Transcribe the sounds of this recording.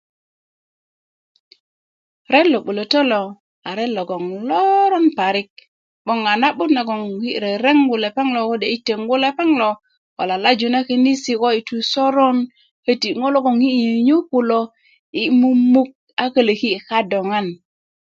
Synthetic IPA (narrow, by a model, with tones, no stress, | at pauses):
ɾe˦lo˨ɓu˨lo˨to˦lo˨ | a˨ɾe˦lo˨ɡo˨ŋlo˦ɾo˦npa˨ɾi˦k̚ | ɓo˦ŋa˨na˦ɓu˦tna˨ɡo˨ŋhi˦˨ɾe˨ɾe˦ŋɡu˨le˨pe˦ŋlo˨ko˦de˨i˦te˨ŋɡu˦le˦pe˦ŋlo˨ | ko̰˨la˨la˦d͡ʒu˨na˦ki˦ni˦si˦ko˦i˨tu˨so˦ɾo˦n | he˦ti˨ŋo˦lo˦ɡo˨ŋhi˦ɲi˨ɲu˦pu˨lo˨ | i˨mu˦mu˦k̚ | a˦kə˦le˨ki˦˨ka˦do˨ŋa˦n